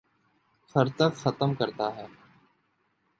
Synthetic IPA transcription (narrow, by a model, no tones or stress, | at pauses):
fʰəɾt̪əkxət̪əmkəɾt̪aːɦɛː